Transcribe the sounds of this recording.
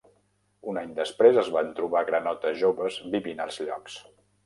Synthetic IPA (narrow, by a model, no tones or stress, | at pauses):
unaɲd̪əspɾezəzβant̪ɾuβaɣɾənɔt̪əʒoβəzbiβinə̰lˠzʎɔ̰ks